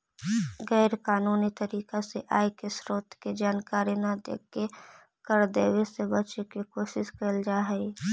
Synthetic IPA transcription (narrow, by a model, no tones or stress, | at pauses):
ɣɛːɾkaːnuːnit̪əɾiːkaseʔaːekesɾoːt̪ʰked͡ʒaːnkaːɾinad̪ḛːkːe | kəɾd̪eːwesebət͡ʃekikoːʃɪʃkəld͡ʒaːɦɛi